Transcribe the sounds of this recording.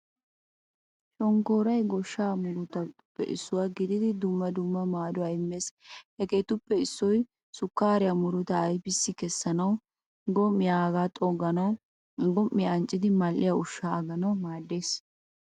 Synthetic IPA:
ʃɔŋkoːɾɐjɡɔʃːaːmʊɾʊt̪ɐt̪ʊpːɛ̰ʔɪ̰sːʊwaːɡɪd̪ɪd̪ɪd̪ʊmːɐd̪ʊmːɐmaːd̪ɔɐjɪmːeːshɛkeːt̪ʊpːɛɪsːɔj | sʊkːaːɾɪjamʊɾʊt̪ɐːjbɪsːɪkɛsːɐnɐw | ɡɔmːɪjaːɡaːt̪ʼɔɡɐnɐw | ɡɔmːɪjaːnt͡ʃʼːɪd̪ɪmɐlʔɪjaʊʃːaːɐɡɐnɐwmaːd̪ːeːs

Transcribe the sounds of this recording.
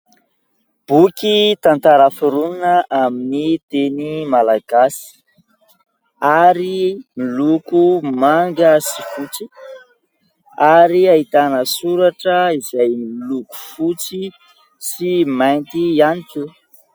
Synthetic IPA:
b̥ukit̪ant̪aɾafuɾuninəʔaminit̪enimalaɡ̥asi̥ | aɾimilukumaŋɡəsifut͡si | aɾiaɦit̪anəsuɾaʈ͡ʂəizajmiluku̥fut͡si | simajnt̪ianiku

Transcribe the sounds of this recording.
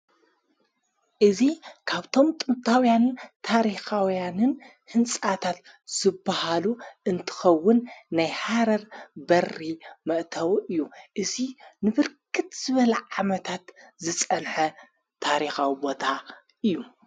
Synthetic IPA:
ʔɨzikʰaβt̪ʰo̞mt̪ʼɨmt̪ʰawjanɨnt̪ʰaɾixawjanɨn | hɨnsʼat̪ʰat̪ | z̥ɨbːahaluʔɨnt̪ʰɨ̥xɐwːʊnːajhaɾɐɾbɐrːimɐʔt̪ʰɐwʔɨjːuʔɨzinɨβɨɾkʰɨt̪zɨβɐlɐʕamɐt̪ʰat̪zɨt͡sʼɐnħɐ | t̪ʰaɾixawibo̞t̪ʰa | ʔɨjːu

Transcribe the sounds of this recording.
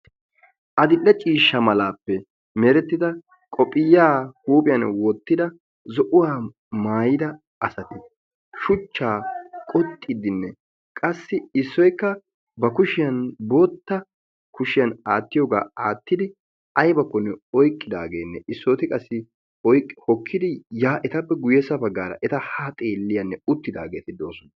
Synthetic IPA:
ʔɐd̪ɪlːɛt͡ʃʼiːʃːɐmɐlaːpːɛ | mɛɾɛt̪ːɪd̪ɐ | kʼɔpʼːɪjːaːhuːpʼɪjɐnwɔt̪ːɪd̪ɐ | zɔʔʊwaː | maːjɪd̪ɐ | ɐsɐt̪ɪ | ʃʊt͡ʃːaːkʼɔt̪ʼːɪd̪ɪnːɛ | kʼɐsːɪɪsːɔjkːɐ | bɐkʊʃɪjɐnbot̪ːɐ | kʊʃɪjɐnaːt̪ːɪjoːɡa̰ːaːt̪ːɪd̪ɪ | ɐjbɐkːɔnːɛɔjkʼːɪd̪a̰ːɡe̞ːnːɛʔɪsːoːt̪ɪkʼɐsːɪ | ɔjkʼːhɔkʰːɪd̪ɪjaːʔɛt̪ɐpːɛɡʊjɛsɐbɐɡːaːɾɐ̰ʔɛt̪ɐhat̪ʼeːlːɪjɐnːɛʊt̪ːɪd̪a̰ːɡe̞ːt̪ɪd̪o̞ːsɔn

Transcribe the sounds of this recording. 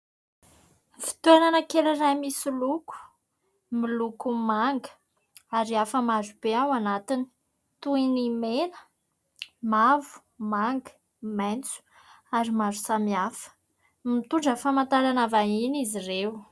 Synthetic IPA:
fi̥t̪uenanəkelirajmisiluku̥ | milukumaŋɡə̥ | aɾiafəmazub̥eawanat̪ini̥ | t̪uinimenə̥ | mavu̥ | maŋɡə̥ | mant͡su̥ | aɾimazu̥samiafə̥ | mit̪uɳɖ͡ʐəfamant̪aɾanavainizirew

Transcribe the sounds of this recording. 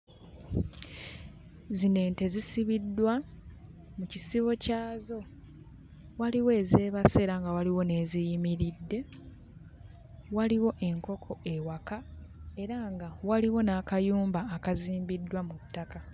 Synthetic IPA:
zine̞ːnte̞zisiβidːwa | mucisiβo̞caːzo̞ | waliwe̞ːze̞ːβase̞ɾaŋɡawaliwo̞ne̞ːzijimiɾidːe̞ | waliwo̞ʔe̞ŋko̞kʰo̞e̞wakae̞ɾaŋɡawaliwo̞naːkajuːmbaːkaziːmbidːwamutːaka

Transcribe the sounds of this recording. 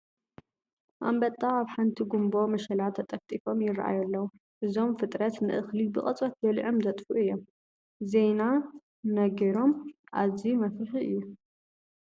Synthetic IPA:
ʔa̰mbɐt̪ʼːaaβħant̪ʰiɡumbo̞mɐʃɐlat̪ʰɐt̪ʼɐft̪ʼifo̞mjɪrʔa̰jɐlːɐwu | ʔɨzo̞mfɨt̪ʼɾɐt̪nɨʔɨxlibɨχʼɐt͡sʼɐt̪jɐlʕomzɐt̪ʼfuʔɨjːom | ze̞jna | nɐɡɐɾo̞mʔa̰zimɐfɾɨħiɨ̰jːu

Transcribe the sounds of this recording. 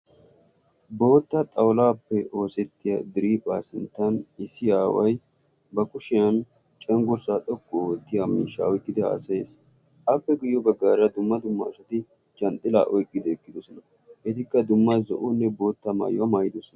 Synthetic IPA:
bo̞ːt̪ːɐt̪ʼɐwlaːpːɛʔo̞ːsɛt̪ːɪjɐd̪ɪɾiːpʼaːsɪnt̪ːɐnɪsːɪjaːwɐj | bɐkʼʊʃɪjɐn | t͡ʃʼɛŋɡɔsaᶑʼɔkːʊoːt̪ːɪjamḭːʃːɐ̰ɔjkʼːɪd̪ɛa̰ːsɐeːs | ʔɐpːɛɡʊjːɔbɐɡːaːɾɐd̪ʊmːɐd̪ʊmːa̰ːʃɐt̪ɪ | t͡ʃʼɐnt̪ʼːɪla̰ːʔɔjkʼːɪd̪ɛːkʼːɪd̪ɔsɔnɐ | ʔɛt̪ɪkːɐd̪ʊmːazɔ̰ʔʊnːɛbo̞ːt̪ːɐma̰ːjɔɐmaːjɪd̪ɔsɔnɐ

